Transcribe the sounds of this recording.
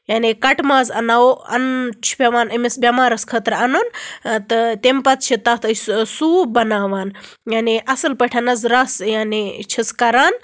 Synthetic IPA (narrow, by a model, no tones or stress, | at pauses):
jaːnikɐʈmaːzɐnaːoɐ̰nt͡ʃʰi̥pʲɐʋaːnɐmisbʲjɐmaːɾɐskʰɐt̪ɾɐnunt̪ɨt̪ʲempɐt͡s̪t͡ʃʰit̪ɐt̪ʰəssuːbɐnaːʋaːn | jaːniʔɐsɨlpɐʈʰɐnɐzɾɐsjaːnit͡ʃʰiskɐɾaːn